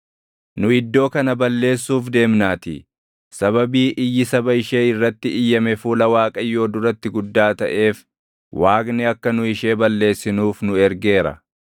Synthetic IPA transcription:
nʊɪd̪ːo̞ːkɐnɐbɐlːe̞ːsːuːfd̪e̞ːmnaːt̪ḭ | sɐbɐbiːʔɪjːɪsɐbɐɪʃe̞ːɪrːɐt̪ːɪʔɪjːɐmɛfuːlɐwaːkʼɐjːo̞ːd̪ʊɾɐt̪ːɪɡʊd̪ːaːt̪ɐ̰ʔe̞ːf | waːɡnɛɐkːɐnʊɪʃe̞ːbɐlːe̞ːsːɪnuːfnʊɛɾɡe̞ːɾɐ̰

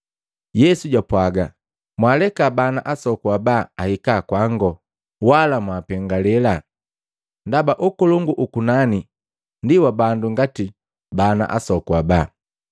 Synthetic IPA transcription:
jɛsuɟapwaɡa | mwalɛkabanaʔasɔkuabaahikakwaŋɡɔ | walamwapɛŋɡalɛla | ndabaʔukɔlɔŋɡuʔukunani | ndiwabanduŋɡati | bana̰ʔa̰sɔkuaba

